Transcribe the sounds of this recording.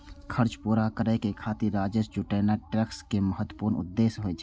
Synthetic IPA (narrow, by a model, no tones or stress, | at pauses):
kʰəɾt͡ʃpuːɾakəɾəkekʰaːt̪iɾɾaːd͡ʒəsd͡ʒʊʈeːnaʈɾəkskeməɦət̪wəpuːɾnʊ̰d̪ːeːsɦoet͡ʃʰː